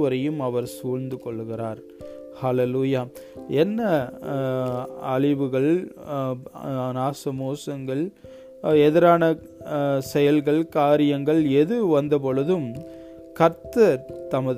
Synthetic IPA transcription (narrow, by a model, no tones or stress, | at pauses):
ʋɐɾɐjɯmɐʋɐɾsuːɻnd̪ɯkɔɭːɯɣɪraːɾ | haleluːjaː | ɛnːɐ | ɐɻɪʋɯɣɐɭ | naːsɐmoːsɐŋɡɐɭ | ɛðɪɾaːnɐ | sɛjɐlɣɐɭkaːɾɪjɐŋɡɐɭɛðɯʋɐnd̪ɐpɔɭɯðɯm | kɐɾt̪ɐɾt̪ɐmɐð